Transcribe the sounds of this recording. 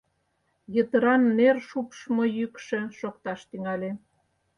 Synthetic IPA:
jət̪əɾɑnːerʃupʃmojykʃĕʃokt̪ɑʃt̪yŋɑlʲe

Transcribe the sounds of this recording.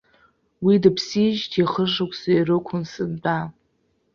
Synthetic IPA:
widapʰsiʒtʰiχəʂakʷʰʼsajrɨkʷʰʊnsɨnda

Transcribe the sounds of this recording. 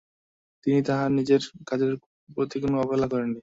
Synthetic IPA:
t̪init̪aɦanid͡ʑeɾkad͡ʑeɾ | pɾot̪ikonoɔbolakɔɾenːi

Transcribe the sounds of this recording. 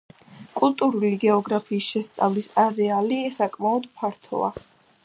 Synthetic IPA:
kʼulˠt̪ʼuɾuliɡɛɔɡɾapʰiːsʃɛst̪sʼa̰vlisaɾɛaliɛsakʼmaɔd̪pʰaɾt̪ʰɔ̰a

